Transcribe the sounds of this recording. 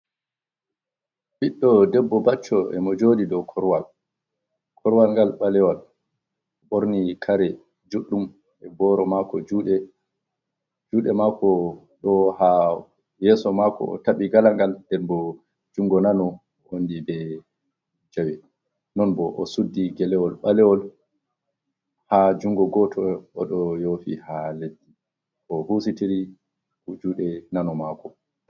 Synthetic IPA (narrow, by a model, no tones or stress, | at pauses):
biɗːɔdɛbːɔbat͡ʃːɔɛ̰mɔd͡ʒoːdidɔkʰɔɾwal | kʰɔɾwalŋɡalɓalɛwal | ɔɓoɾnikʰaɾɛ | d͡ʒuɗːum | ɛbɔɾɔmakɔd͡ʒuːɗɛ | d͡ʒuːɗɛmakɔ | ɗɔha | jɛːsɔmakɔ̰ɔ̰taɓiɡalaŋɡaldɛnbɔ | d͡ʒuŋɡɔnanɔ | ondibɛ | d͡ʒawɛ | nɔnbɔʔɔ̰sudːiɡɛlɛwɔlɓalɛwɔl | had͡ʒuŋɡɔɡɔtʰɔɔɗɔjofḭhaledːi | ʔɔhusitiɾi | kud͡ʒuːɗɛnanɔmakɔ